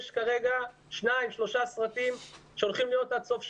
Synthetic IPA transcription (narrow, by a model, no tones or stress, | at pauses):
ʃkaʁeɡa | ʃnaimʃlo̞ʃasʁatimʃeolχimlijo̞t̪asofʃ